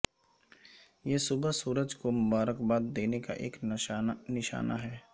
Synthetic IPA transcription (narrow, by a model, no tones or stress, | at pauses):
jeːsʊbəɦsuːɾəd͡ʒkomʊbaːɾəkbaːd̪̚d̪eːneka̰ʔḛːk | nɪʃa̰ːna̰ɦɛː